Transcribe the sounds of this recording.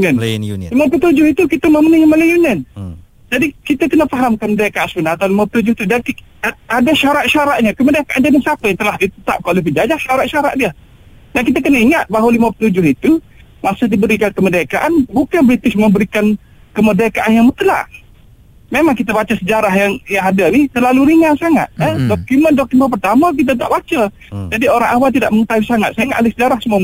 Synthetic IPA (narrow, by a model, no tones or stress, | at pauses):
ənlimapət̪ud͡ʒʊhit̪ukit̪əməmənəhiməlajunən | d͡ʒadikit̪akənafaɦamkanmədakaʔansbənaat̪awlimapət̪ud͡ʒʊht̪udankiadaʃaɾaʔʃaɾaʔ̚ɲakəmədakaʔand͡ʒanəŋsapajaŋt̪əlahdit̪ət̪ap̚kaolehbəd͡ʒad͡ʒaʔʃaɾaʔʃaɾaʔ̚diə | dankit̪akənaiŋat̪̚baɦwalimapə̥t̪ud͡ʒʊɦit̪u | masʊhdibəɾikankəmədakaʔanbukanbɾit̪ɪsməmbəɾikan | kəmədakaʔanjaŋmət̪əla̰ʔ | memaŋkit̪̬abat͡ʃasəd͡ʒaɾaɦjaŋjaŋadaniht̪ərlaluɾiŋasaŋa̰t̪̚ədokiməndɔkimənp̬ərt̪amak̬it̪̬at̪a̰ʔbat͡ʃa | d͡ʒadioɾaŋawalt̪ida̰ʔməŋət̪awisaŋat̪̚sajaŋat̪olɪsəd͡ʒaɾahsəmuam